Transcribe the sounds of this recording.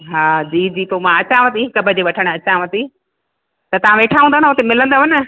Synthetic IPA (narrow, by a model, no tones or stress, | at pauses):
ɦaːd͡ʑiːd͡ʑiːt̪omãɐt͡ɕãʋɐt̪iɦɪkəbʱəd͡ʑeːʋɐʈʰəɽ̃ɐt͡ɕãʋɐt̪i | t̪ɐt̪ɐʋãʋeːʈʰaɦũːnd̪aɦnʊt̪emɪlə̃nd̪aʋɐnə